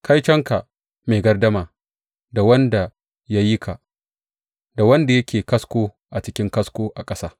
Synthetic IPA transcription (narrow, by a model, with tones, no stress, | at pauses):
kʰa˦jt͡ʃɐ˦ŋka˨ | meː˨ɡɐ˦rdɐ˦maː˨ | da˨wɐ˦nda˨ | ja˦ji˦kʰa˨ | da˨wɐ˦nda˨jɐ˦kʲʰeː˨kɐ˦skʷoː˦ | ʔa˨t͡ʃɪ˦kʲɪ˦ŋkɐ˦skʷoː˦ʔa˨kʼɐ˦saː˦